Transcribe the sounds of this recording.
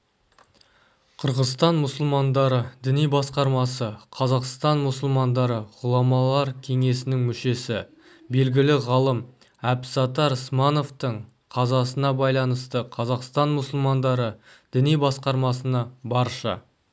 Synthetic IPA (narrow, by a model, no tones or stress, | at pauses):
qʰəɾʁəzst̪ɑnmʊsəlˠmɑnd̪ɑɾəd̪ɪnijbɑsqɑɾmɑsəqʰɑzɑqst̪ɑnmʊsəlˠmɑnd̪ɑɾəʁʊlˠɑmɑlˠɑɾkʲʰe̞ŋe̞sɪnɪŋmʏʃe̞sɪ | be̞lɡʲɪlɪʁɑlˠəm | æpsɑt̪ɑɾsmano̞ft̪əɴ | qʰɑzɑsənɑbɑjlˠɑnəst̪əqʰɑzɑqst̪ɑnmʊsəlˠmɑnd̪ɑɾə | d̪̥ɪnijbɑsqɑɾmɑsənɑbɑɾʃə̰